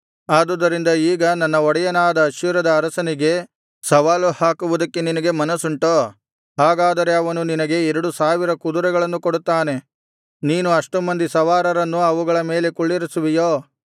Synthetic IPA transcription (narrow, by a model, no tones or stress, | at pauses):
aːd̪ud̪ɐɾind̪ɐiːɡɐnɐnːɐɔɽɛjɐnaːd̪ɐːʃjuɾɐd̪ɐːɾɐsɐniɡe̞ | sɐʋaːluhaːkuʋud̪ɐkːeninɐɡe̞mɐnɐsuɳʈoː | ɦaːɡaːd̪ɐɾe̞ɐʋɐnuninɐɡe̞ːɾɐɽusaːʋiɾɐkud̪uɾɛɡɐɭɐnːukoɽut̪ːaːne̞ | niːnuɐʂʈumɐnd̪isɐʋaːɾɐɾɐnːuɐʋuɡɐɭɐme̞ːle̞kuɭːiɾisuʋijoː